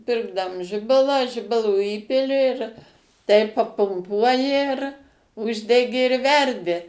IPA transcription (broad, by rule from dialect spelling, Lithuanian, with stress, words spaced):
ˈpʲɪrɡdɐm ˈʒʲɪbɐlˠɑː ˈʒʲɪbɐlˠoː ˈiːpʲɪlʲɪ tɐɪ pɐpʊmˈpuɔjɪ ɪr ˈʊʒʲdʲɛɡʲɪ ɪr ˈʋʲɛrʲdʲɪ